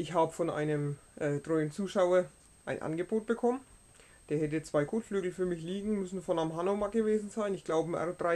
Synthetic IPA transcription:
ʔɪçhaːbəfɔnʔa̰ɪnəmʔɛːtʁ̥ɔʏn̩t͡suːʃaʊɐ | ʔaɪnʔa̰nɡəboːt̚b̥əkʰɔmən | d̥eːɐhɛt̬ət͡sv̥aɪkʰoːtflyːɡl̩fyːɐmɪçliːɡŋ̩mʏsn̩fɔnamɦanomaɡ̥əveːzn̩zaɪnɪçɡ̥laʊbəmʔɛ̰dʁaɪ

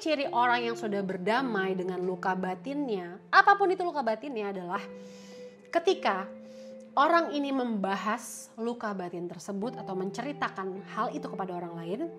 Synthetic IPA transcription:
t͡ʃiɾiʔoɾaŋjaŋsudahbərdamajdəŋanlukabat̪ɪnɲaʔapapʊnit̪ulukabat̪ɪnjaːdalah | kət̪ika | oɾaŋiniməmbaɦas | lukabat̪ɪnt̪ərsəbʊt̪at̪awməɲt͡ʃəɾit̪akanhalit̪ukəpadaoɾaŋlaɪn

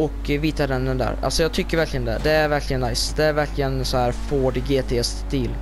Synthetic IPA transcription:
ɔkviːt̪ad̪ɛnd̪ɛnd̪æ̰ɾa̰lsɔjɑːɡ̚t̪ʰʏkːəɾvæɾkʰlɪɡənd̪ɛ̰d̪ɛæɾvæɾkʰlɪɡənːajsd̪ɛæɾvæɾklɪɡənsɔhæːɾfoːɖɪɡeːt̪ʰeːɛst̪t̪iːl

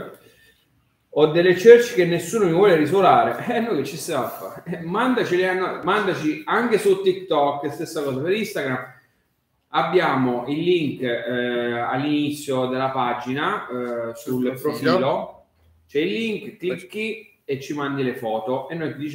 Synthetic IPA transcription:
ɔd̪ːelːet͡ʃøɾt͡ʃi̥k̟enːesːuːnomivwɔːleɾis̬olaːɾeɛnːɔjk̟et͡ʃːisafːa̰mand̪at͡ʃileanːɔmand̪at͡ʃiaŋk̟esut̪ːik̚t̪ɔkːest̪esːakɔːsapeɾist̪aɡɾamː | abːjaːmoʔilːiŋk | a̰lːinit̪sːjod̪elːapad͡ʒinasulpɾofilo | t͡ʃɛilːiŋkt̪ikːi | et͡ʃːimand̪ilefɔːt̪oenːojkd̪it͡ʃ

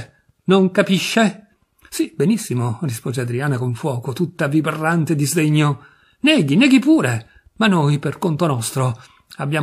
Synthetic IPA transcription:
noŋkapiʃːe | sibenisːimorispoːzead̪ɾiaːnakoɱfwɔːkot̪ut̪ːaviperːant̪ed̪izd̪eɲːo | nɛːɡinɛːɡipuːɾe | manːojperkont̪onɔst̪ɾo | abːjaː

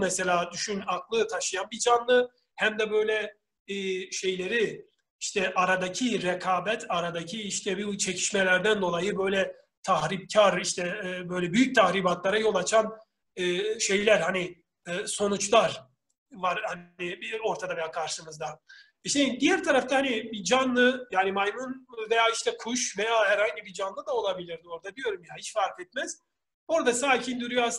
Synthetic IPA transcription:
mɛse̞lʲaːd̪yʃynaklˠɯt̪ʰaʃɯjanbid͡ʒanlˠɯ | hæmd̪ɛbø̞jlʲɛː | ʃe̞jlʲe̞ɾi | iʃt̪ʰɛʔaɾad̪acʰiɾekʰaːbɛt̪ʰaɾad̪acʰiiʃt̪ʰɛbt͡ʃʰe̞cʰi̥ʃmɛlʲæɾd̪ænd̪o̞lˠajɯbø̞jlʲɛ | t̪ʰahɾib̚cʰaɾiʃt̪ʰɛbø̞jlʲɛbyjyc̚t̪ʰahɾiːbat̪lˠaɾajo̞lˠat͡ʃʰanː | ʃe̞jlʲæɾhaniː | so̞nut͡ʃlˠaɾ | vaɾhanibio̞ɾt̪ʰad̪avejaːkʰaɾʃɯmɯzd̪a | iʃed̪ijæɾt̪ʰaɾaft̪ahanibid͡ʒanlːˠɯjaːnimajmunvejaːiʃt̪ʰɛkʰuʃvejaːhæɾhaɲɟibid͡ʒanlˠɯd̪ao̞lˠabilʲiɾd̪ɪo̞ɾd̪ad̪ijo̞ɾumjaiʃfaɾfɛt̪̚mɛz̥ | o̞ɾd̪asaːcʰind̪yɾyjoas

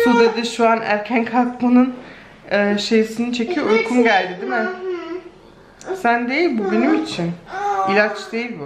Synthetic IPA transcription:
søzed̪iʃuanæ̰ɾcʰænkʰakmunɯn | ɯːʃe̞jisinit͡ʃʰe̞cʰijoujkʰumɟælʲd̪id̪imɛ | sænd̪e̞jilʲbubenimit͡ʃʰinilʲat͡ʃd̪e̞jilʲbɪ

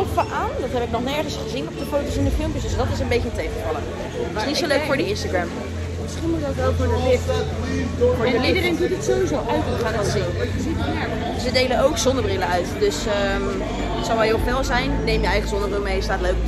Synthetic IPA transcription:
ɔpfəʔaːndɑtɦɛpɪk̚nɔχnɛɹχənsχəzinɔp̚dəfowtowsɪndəfɪlˠmpjəsdɵsdɑtɪsənbejcəətejχəvɑlˠə | snitssowløɥkfoːɹdəɪnstaɡɹɛm | mɪsχinmutɔtʋɛlˠkɔətɪp | fɔɹəlidəɾɪŋkəntətsowʋizowʔawtəχaːnɑzinəsitɛɹ | dsʋədejlənowkzɔndəbrɪlənœɥtdøsə | sowʋɛɦɪfɛlˠzɛjnnejmjəɛjχəzɔndəbrɪlˠmejəstaːtløɥk

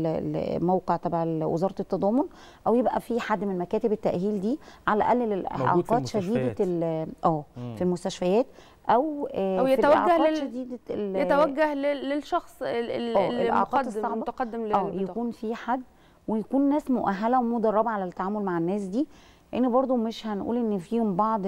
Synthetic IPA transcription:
mæwqeʕt̪æbaʕelwḛzɑːɾˤɑet̪ːɑd̪ˤɑːmon | ʔæwjebʔæ̰fiħad̪ːmenenmækæːt̪ebet̪ːæʔhiːld̪iːʕalæʔælːlelʔʔʕqɑːt̪ʃæd̪iːd̪æʔæːfilmost̪æʃfæjæːt̪ | ʔæwjeit̪wæʔʕæːʃæd̪iːd̪æelet̪æwæɡːæhleːelʃɑxsˤæːʔeʔa̰ʕqɑd̪t̪esːˤɑʕɑt̪qɑd̪ːemʔæːjækuːnfiħad̪ː | wejækuːnːæːsmoʔæɦːælæwemud̪ɑrˤːɑbæʕalæt̪ːaʕaːmolmaʕenːæːs̬d̪iː | ʔenːebɑɾˤd̪ˤomeʃhænʔṵːlʔenːfiːhombɑʕd̪ˤ

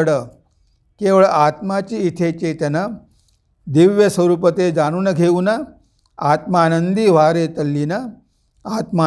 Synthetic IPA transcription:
ɽə | keʋəɭat̪mat͡ɕiːt̪ʰet͡ɕet̪ana | d̪iʋjəsəɾuːpət̪ed͡zaɽ̃uːnəɡʱeuna | at̪maːnənd̪iːʋ̤aɾet̪əlːina | at̪ma

